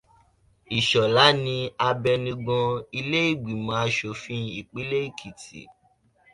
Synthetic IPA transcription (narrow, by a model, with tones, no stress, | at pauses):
i˨ʃɔ˨la˨˦nĩ˧a˧bɛ˧nĩ˧ɡ͡bɔ̃˧i˧le˦i˦˨ɡ͡bi˨mã˨˦a˧˦ʃo˧fĩ˦i˨k͡pi˨˦le˦i˦˨kʰi˨tḭ˨